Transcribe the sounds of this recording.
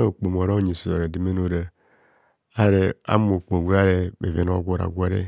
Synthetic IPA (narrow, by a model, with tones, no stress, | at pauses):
o˨k͡po˨m˨o˨ɾa˦ɲi˨su˨o̰˨ɾe˨di˦me˦no˦ɾa˨ | a˦ɾe˨a̰˦m˦o˨k͡po˨ɡʷu˦ɾa˦ɾe˦mḛ˨ve˨no˦a̰˦ɡʷo˦ɾa̰˨ɡʷa˦ɾḛ˦